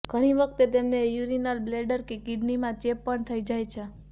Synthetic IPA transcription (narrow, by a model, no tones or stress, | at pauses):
ɡ̥ʱəɽ̃iʋək̚ʰt̪et̪emnejuɾinəlbleɖəɾkekɪɖnimãt͡ʃepːəɳt̪ʰəid͡ʒajt͡ʃʰe